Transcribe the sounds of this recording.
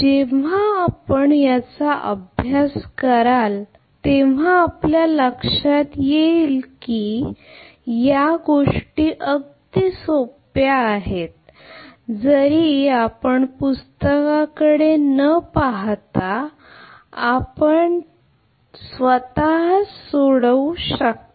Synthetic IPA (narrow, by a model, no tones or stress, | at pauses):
d͡ʑeʋ̤aːpəɳjat͡saʔə̰bʱjaskəɾal | t̪eʋ̤aːpljaləkʂat̪jeilkiː | jaɡoʂʈiːʔəɡd̪iːsopjaːɦet̪̚ | d͡zəɾiapəɳpust̪əkakəɽenəpaɦt̪a | apəɳ | sʋət̪aɦsoɽəwuɕək̚t̪o